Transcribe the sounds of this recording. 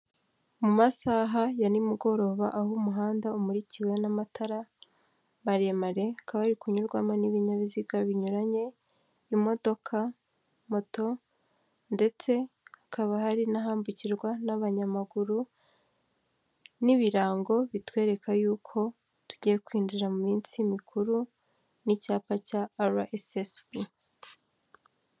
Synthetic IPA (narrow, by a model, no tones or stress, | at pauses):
mumasaɦajanimuɡo̞ɾo̞βaʔahumuɦaːndaumuɾiciwe̞namatʰaɾa | βaɾemaɾe̞akaβaaɾikuɲuɾɡwamaniβiɲaβiziɡaβiɲuɾaɲe̞ | imo̞do̞kʰa | mo̞to̞ | nde̞t͡se̞akʰaβaɦaɾinaɦaːmbuciɾɡwanaβaɲamaɡuɾu | niβiɾaːŋɡo̞βitwe̞ːɾe̞kʰajuːkʰo̞ | tu̥ɟije̞kwiːnd͡ʒiɾamumiːnt͡simikʰuɾu | nicaːpacaːɾaʔesesbi